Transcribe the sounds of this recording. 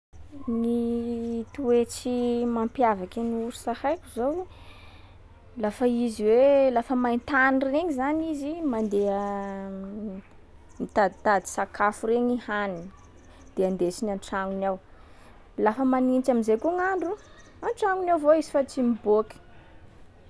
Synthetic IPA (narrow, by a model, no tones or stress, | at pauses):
ni | t̪uet͡simampjavakiniuɾu̥sahajkʲuzow | lafəiziwelafəmajnt̪anireɲizanizimand̪eə | mit̪ad̪it̪ad̪i̥sakafuɾeɲihanini | d̪̥eand̪et͡ʃinanʈ͡ʂaŋunaw | lafəmanint͡ʃamizejkuŋaɳɖ͡ʐu | anʈ͡ʂaŋunawvoizifat͡simiboki̥